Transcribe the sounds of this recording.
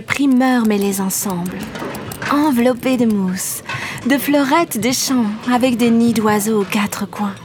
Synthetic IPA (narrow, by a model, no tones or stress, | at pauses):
əpχimœʁmɛlezɑ̃sɑ̃bl | ɑ̃vlɔped̪əmus | d̪əflɔʁɛt̪d̪eʃɑ̃avɛkd̪enid̪wazoːkat̪χəkwɛ̃